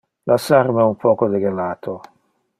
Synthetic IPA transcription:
lasarmɛumpɔːkod̪ɛɡelaːt̪ʰo

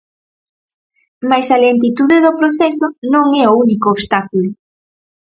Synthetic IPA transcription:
majsɐlent̪it̪uðeðopɾoθɛsʊnõŋɛounikoːβst̪akulʊ

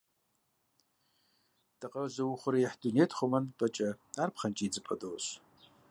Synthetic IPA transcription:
d̥aqʼazawuχʷʊɾajaħdunetʰχʷomanpʼat͡ʃʼaarpʰχant͡ʃʼid͡zɨpʼa̰doɕʷ

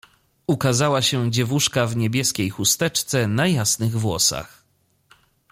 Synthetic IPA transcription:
ukazawaɕɛd͡ʑɛvuʂkavɲebʲjɛskʲejxust̪ɛt͡ʂt̪sɛnajasnɘɣvwɔ̰sa̰x

